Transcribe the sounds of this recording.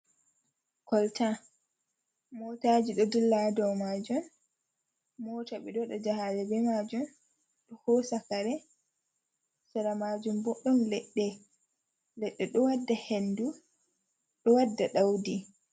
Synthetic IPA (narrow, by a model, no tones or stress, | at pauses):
kɔlta | mɔːtaːd͡ʒiɗɔdulːadɔwmad͡ʒum | mɔːtaɓɛɗɔɗɔd͡ʒaɦalɛbɛmad͡ʒum | ɗɔhɔsakaɾɛ | saɾamad͡ʒumbɔɗːɔnlɛɗːɛ | lɛɗːɛɗɔwadːahendu | ɗɔwadːaɗawdi